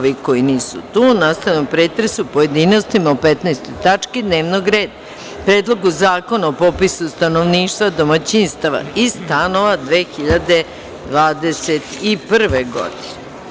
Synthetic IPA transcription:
ʋiko̞jiniːsṵt̪uːnast̪aamopɾeːt̪ɾesupo̞je̞d̪ino̞st̪imaopet̪najst̪o̞jt̪at͡ʂkid̪ne̞ːʋno̞ɡɾe̞ːd̪a | pɾeːd̪lˠoɡuzaːko̞naopo̞pisust̪ano̞ʋniːʃt̪vʋad̪o̞mat͡ɕinst̪aʋa̰isst̪ano̞ʋad̪ʋe̞ːxiʎad̪e̞ | d̪ʋaːd̪eset̪ipr̩ʋeɡo̰d̪ine

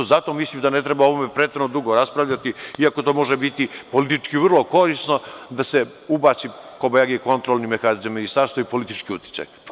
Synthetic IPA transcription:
zat̪o̞mislˠimd̪ane̞t̪ɾebaoʋome̞pɾet̪eɾnod̪uɡoɾaspɾaʋʎʲat̪iiako̞t̪o̞ːmo̞ʒebit̪ipolit̪it͡ʃkiʋrlˠo̞ko̞ɾisno̞d̪ase | ubaːt͡ʃ̪iko̞bajaɡeko̞nt̪ɾolnimexanizamːinist̪aːɾst̪ʋaipo̞lit̪it͡ʃkiut̪ji̥t͡ʃ̪a̰j

